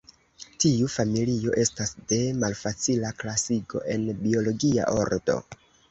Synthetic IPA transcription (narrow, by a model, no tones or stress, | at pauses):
tiufamilio̞ʔe̞stasde̞malfat͡silaklasiɡo̞̰ʔe̞nbio̞lo̞ɡia̰ʔo̞̰ɾdo̞̰